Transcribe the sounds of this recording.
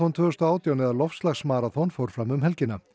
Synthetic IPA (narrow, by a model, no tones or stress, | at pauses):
ɔnt̪ʰvʏɣʏst̪ɔaːwt̪ijawnɛðaɾlɔfslaxsmaːɾaθɔnfoːwɾ̥fɾamʏmɦɛlcɪnːa